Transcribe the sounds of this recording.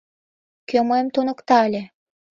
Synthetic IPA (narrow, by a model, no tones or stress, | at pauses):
kʲømojmt̪onɤ̆kt̪ɑælʲe